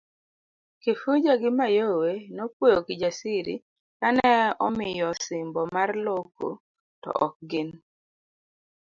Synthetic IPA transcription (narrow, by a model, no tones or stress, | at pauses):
kɪfud͡ʒaɡɪmajowenopwojokɪd͡ʒasiɾḭ | kanɛɔmɪjɔsɪmbɔmarloko̰ | tɔ̰ʔɔk̚ɡɪn